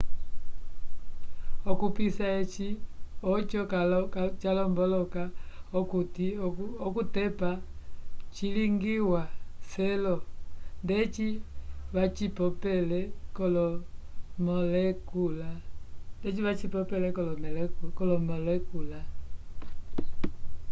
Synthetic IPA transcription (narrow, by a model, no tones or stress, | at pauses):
ɔkupisaɛt͡ʃiɔt͡ʃɔkakt͡ʃalɔmbɔlɔkaɔkutiɔkutɛpa | t͡ʃiliŋɡiwasɛlɔndɛt͡ʃiβat͡ʃipɔpɛlɛkɔlɔ | mɔlɛkulandɛt͡ʃiβat͡ʃipɔpɛlɛkɔlɔmɛlɛkkɔlɔmɔlɛkula